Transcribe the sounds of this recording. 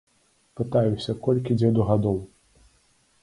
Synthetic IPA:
pɨt̪ajusʲɐkɔlʲkʲid͡zʲɛd̪uɣad̪ɔw

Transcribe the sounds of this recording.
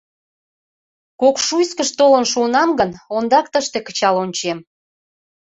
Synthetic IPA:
kokʃujskəʃt̪olənʃuənɑmɡənond̪ɑk̚t̪əʃt̪ekə̥t͡ɕɑlonʲt͡ɕem

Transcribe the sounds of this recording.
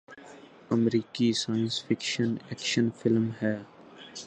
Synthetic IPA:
əmɾiːkisaːjə̃nsfɪkʃənɛ̰ːkʃənfɪlmɦɛː

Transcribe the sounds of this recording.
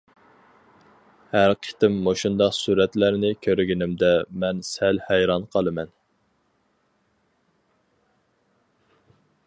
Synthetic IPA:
hæɾqʰə̥t̪ɪmːoʃund̪ɑqsuɾɛt̪læɾnɪkʲʰøɾɡʲinɪmd̪ɛmɛnsɛlhæjɾɑnqʰɑlˠɨmɛn

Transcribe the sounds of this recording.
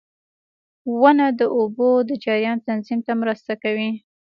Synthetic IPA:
wənad̪əʔobod̪əd͡ʒɑɾjɑnt̪anzimt̪amɾəst̪akawi

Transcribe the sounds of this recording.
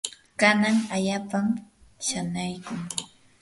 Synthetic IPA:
kanaŋaʎaːpamʃanajkʊŋ

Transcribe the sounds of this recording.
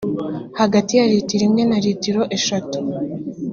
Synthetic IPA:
haɡatijaɾitiɾimɲe̞naɾitiɾo̞ʔe̞ʃatu̥

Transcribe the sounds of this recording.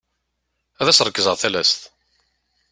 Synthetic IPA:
æðæsɾˤəkːəzˤəʁθælæst̪

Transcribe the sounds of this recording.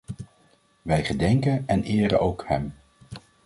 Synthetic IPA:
ʋɛjχədɛŋkənɛnʔɪːrənowkhɛ̰m

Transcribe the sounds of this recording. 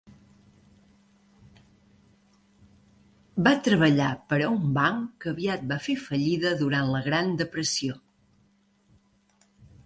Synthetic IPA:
bat̪ɾəβəʎapəɾəumbaŋkəβiat̪̚bafefəʎiðəðuɾanləɣɾand̪əpɾəsio

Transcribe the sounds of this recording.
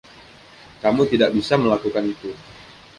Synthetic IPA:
kamut̪idaʔ̚bisaməlakukanit̪u

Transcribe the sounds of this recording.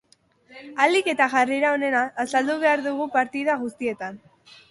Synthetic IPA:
alike̞t̪aʝariɾao̞ne̞naʔːsald̪uβ̞e̞aɾðuɣ̞upaɾt̪iðaɣ̞ust̪ie̞t̪an

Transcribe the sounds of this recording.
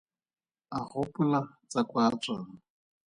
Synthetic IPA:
aχʊpʼula | t͡sʼakwat͡sʼaːŋ̩

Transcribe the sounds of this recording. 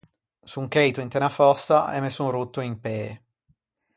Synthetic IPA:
suŋkejt̪oint̪enafɔsːaɛ̰mːesːounrut̪ːoimpɛː

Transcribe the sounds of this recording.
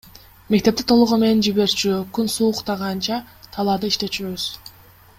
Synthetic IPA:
me̞k̚t̪e̞p̚t̪i̥t̪ʰo̞lˠuʁume̞nind͡ʒiβe̞ɾt͡ʃykynsuːqt̪ɑʁɑnt͡ʃɑt̪ʰɑlˠɑːd̪ɯiʃt̪e̞t͡ʃyβyz̥

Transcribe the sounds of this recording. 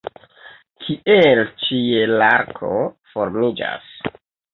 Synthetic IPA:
kʰiʔelt͡ʃielaɾkʰo̰foɾmid͡ʒa̰s

